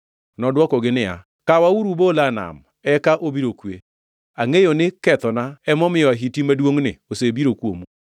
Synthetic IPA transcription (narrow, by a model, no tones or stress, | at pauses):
nɔdwɔkɔɡɪnɪa̰ | kawauɾubolana̰m | ɛkaʔobiɾokwe | aŋejonɪkɛt̪ɔnaɛmɔmɪjɔaɦitimadwoŋnɪ̰osebiɾokwomu